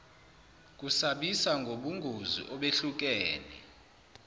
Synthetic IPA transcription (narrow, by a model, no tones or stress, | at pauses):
k̬usaɓisaŋɡʱoɓuŋɡʱuzḭʔɔɓeɬuk̬ʼɛːnɛ̰